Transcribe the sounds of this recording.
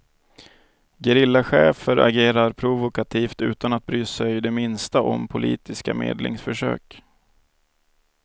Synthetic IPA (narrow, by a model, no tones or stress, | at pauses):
ɡɛɾɪlːaɧɛːfəɾʔa̰ɡeːɾaɾpʰɾʊvʊkat̪ʰiːft̪ʉ̟̰ːt̪anat̪̚bɾyːsɛjd̪ɛmɪnst̪aʔɔmpʰʊlḭːt̪ɪska̰mḛːd̪lɪ̰ŋsfœʂø̰ːk